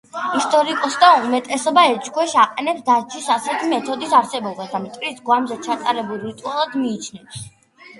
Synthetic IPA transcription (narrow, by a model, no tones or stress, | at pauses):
ist̪ʼɔɾikʼɔsd̪aumɛt̪ʼɛsɔbaɛɾt͡ʃʼkʰwɛʃaqʼɛnɛpsd̪ad͡ʒʰisasɛt̪ʰimɛt̪ʰɔd̪isaɾsɛbɔbasd̪amt̪ʼvɾisɡwamzɛt͡ʃʰat̪ʼaɾɛbulˠɾit̪ʼualˠad̪miːt͡ʃʰnɛps